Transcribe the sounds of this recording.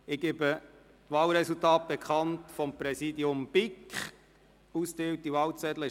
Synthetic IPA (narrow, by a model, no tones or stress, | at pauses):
ɪɡ̥ebə | tʋɑːlɾɛsultɑːt̚b̥ekχɑntfɔmpɾɛsidiʊmb̥ɪkχ | usteːwtiʋɑːwt͡sɛdləɪ